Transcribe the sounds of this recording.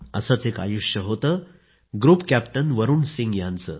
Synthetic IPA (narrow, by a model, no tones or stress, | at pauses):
ə̰sət͡seka̰juʂjəɦot̪ə | ɡɾuːpkæpʈənʋəɾuːnsĩŋɡjãnt͡sə